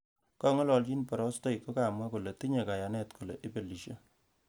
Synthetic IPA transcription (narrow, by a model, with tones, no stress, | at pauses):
kɔ˦ŋɔ˦lɔ˨lt͡ʃi˦npɔ˨ɾɔ˦stɔ˦jko˦ka˨mwa˦ku˨le˨ti˦ɲe˨ka˨ja˨nɛ˦tku˨le˨ʔi˦pe˨li˨ʃe˦